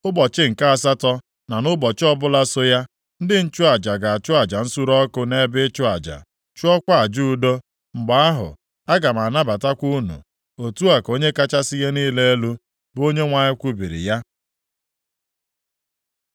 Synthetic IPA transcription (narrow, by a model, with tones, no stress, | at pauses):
ʊ˦bɔ˨t͡ʃɪ˦ŋ̩˨ka˦a˨s̬a˦tɔ˦ | na˨nʊ˦bɔ˨t͡ʃɪ˦ɔ˦bʊ˦la˦so˦ja˦ | n̩˦dɪ˦n̩˦t͡ʃʊ˦a˨d͡ʒa˨ɡa˨a˨t͡ʃʊ˦a˨d͡ʒa˨n̩˦su˦ɾɔ˦kʊ˦ne˦bɪ˦t͡ʃʊ˦a˨d͡ʒa̰˨ | t͡ʃu˦ɔ˦kʷa˦a˨d͡ʒu˦u˦do˦ | ŋ͡m̩˨ɡ͡ba˨a˦ɦʊ̰˨ | a˦ɡa˨m˨a˨na˦ba˨ta˦kʷu˦nṵ˨ | o˨tu˦a˨ko˦ɲe˦ka˦t͡ʃa˦sɪ˦je˦niː˦le˦e˦lu˦ | bo˦ɲe˦ŋʷa˨ɲɪ˦kʷu˦bi˨ɾḭ˨ja˦